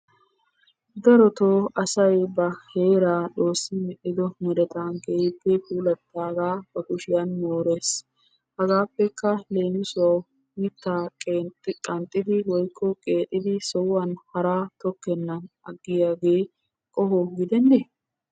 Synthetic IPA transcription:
d̪ɐɾɔt̪oːɐsɐjbɐhe̞ːɾaːᶑo̞ːsːɪmɛʔɪd̪ɔmɛd̪ɛt̪anɡejbːɛkuːlɐt̪ːaːɡaːb̥ɐkʊʃɪjɐnmoːɾeːs | hɐɡaːpːɛkːɐle̞ːnɪsʊwɐw | mɪt̪ːaːkʼːtkʼɐnt̪ʼːɪd̪ɪwɔjkʰːɔkʼe̞ːt̪ʼːɪd̪ɪsɔwːɐnhɐɾaːt̪ɔkːɛnːɐn | ɐɡːɪjaːɡe̞ː | kʼɔhɔɡɪd̪ɛnːe

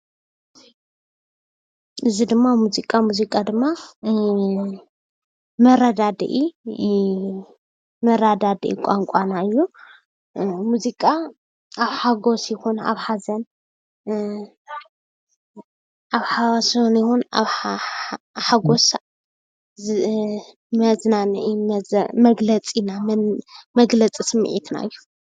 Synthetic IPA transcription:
ʔɨzid̪ɨmːamuzikʼamuzikʼad̪ɨmːa | mɐɾad̪ad̪ḭʔi | mɐɾad̪ad̪ḭʔḭkʷʼaŋkʷʼanaɨjːu | muzikʼa | aβħaɡo̞sjɪxuna̰βħazɐn | ʔaβħasnjɪhunaβ | ħaɡos | mɐznanɨʔimmɐɡlɐt͡sʼinammɐɡlɐt͡sʼisɨmːɨ̰ʕit̪na̰ɨjːu

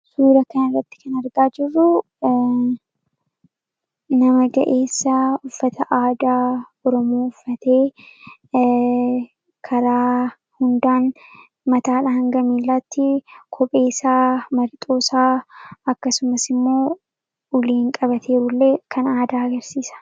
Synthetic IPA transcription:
suːɾɐkɐnɪrːɐt̪ːɪ̥kɐnɐɾɡaːd͡ʒɪrːʊ | nɐmɐɡɐ̰ʔe̞ːsːɐʊfːɐt̪ʰɐʔaːd̪aː | ɔɾɔmoːʊfːɐt̪e̞ː | kʰɐɾaː | hʊnd̪aːn | mɐt̪aːᶑɐhɐŋɡɐmiːlːɐt̪ːɪkʰɔpʼe̞ːsaːmɐɾt̪ʼo̞ːsaːɐkːɐsʊmɐsɪmːo̞ː | ʊleːŋkʼɐbɐt̪ʰe̞ːɾʊlːekʰɐnaːd̪aːɐɡɐɾsiːsɐ̥

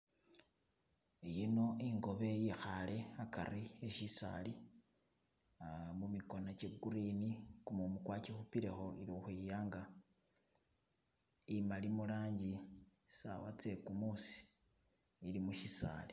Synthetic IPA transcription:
ijino̞iŋɡo̞βe̞jixale̞aka̰rieʃisa̰li | mumiko̞nat͡ʃeɡuɾinikumumukwacixupiɾe̞xo̞iɾixujaːŋɡa | imalimulaːɲɟi | sa̰wat͡se̞kumusi̥ | ilimuʃisa̰ːli̥

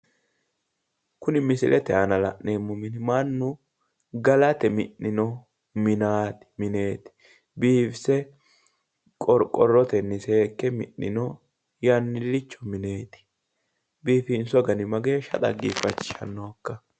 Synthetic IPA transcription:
kʊnɪmɪsɪ̰lʔɛt̪ɛɐnɐlɐʔneːmːʊmɪnɪmanːʊ | ɡɐlɐt̪ɛmɪʔːɪnɔ | mɪnaːt̪ɪ̥mɪne̞ːt̪ɪ̥ | biːfsɛ | kʼɔɾkʼɔrːɔt̪ɛnːɪse̞ːkːɛmɪ̰ʔɪ̰nɔ | jɐnːɪlːɪt͡ʃːɔmɪne̞ːt̪ɪ̥ | biːfɪnsɔɡɐnɪmɐɡeːʃɐ̰t̪ʼɐ̰ɡifɐt͡ʃːɪ̥ʃɐ̰nːokːɐ

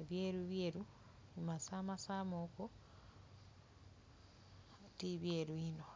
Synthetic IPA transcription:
eβjeːɾuβjeːɾu | imasamasamoko | tiβjeɾwino

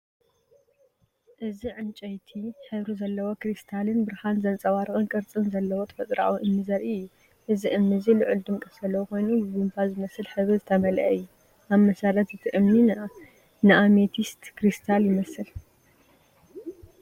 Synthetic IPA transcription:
ʔɨziʕɨnt͡ʃʼɐjt̪ʰiħɨβɾuzɐlːɐwo̞kɾist̪ʰalɨnbɨɾhanzɐnt͡sʼɐwaɾɨkʼɨnkʼɨɾt͡sʼɨnzɐlːɐwot̪ʰɐ̥fɐt͡s̪ʼɾa̰wiʔɨmːɨzɐɾɨjːu | ʔɨziʔɨmːɨzilɨʕɨld̪ɨmkʼɨfzɐlːɐwuko̞jnubɨbɨnfazɨmɐsɨlħɨβɾɨzɨt̪ʰɐmɐlɐ̰ʔɨjːu | ʔaβmɐsaɾɐt̪zɨt̪ʰɨʔɨmni | nɨʔamet̪ʰist̪ʰkɾist̪ʰaljɪmɐsɨl

